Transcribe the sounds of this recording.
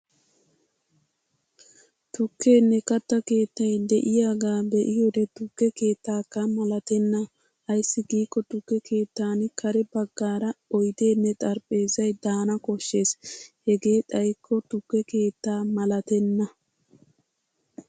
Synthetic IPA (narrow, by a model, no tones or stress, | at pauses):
t̪ʊkːe̞ːnːɛkɐt̪ːɐke̞ːt̪ːɐjd̪ɛʔɪjaːɡaːbɛʔɪjod̪ɛt̪ʊkːɛke̞ːt̪ːaːkːɐmɐlɐt̪ɛnːɐ | ʔɐjsːɪɡiːkːɔt̪ʊkːɛke̞ːt̪ːaːnkʰɐɾɛbɐɡːaːɾɐɔjd̪e̞ːnːɛt̪ʼɐɾpʼːe̞ːzɐjd̪aːnɐkɔʃːe̞ːshɛɡe̞ːt̪ʼɐjkʰːɔt̪ʊkːɛke̞ːt̪ːaːmɐlɐt̪ɛnːɐ